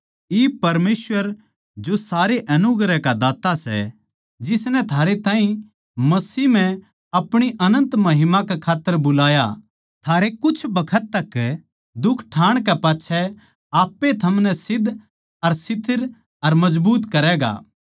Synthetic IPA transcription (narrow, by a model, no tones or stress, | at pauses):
iːpɐɾmeːswəɾ | d͡ʒosaːɾeʔɐnʊɡɾɛkad̪aːt̪asɛ̰ | d͡ʒɪsnɛt̪ʰaːɾet̪ãːĩ | mɐsiːm̤ɛ̃ | ɐpɽ̃iʔɐnə̃nt̪mɐɦɪmakɛkʰaːt̪ːəɾbʊlaːja | t̪ʰaːɾekʊt͡ʃʰbɐkʰət̪ːɐkː | d̪ʊkʰʈʰaːɽ̃kɛpaːtːʃʰɛ | aːpːet̪ʰɐmnɛsɪd̪ʱ | ɐɾsɪt̪ʰɪɾ | ɐɾmɐd͡ʒbuːt̪kɐɾɛːɡa̰ː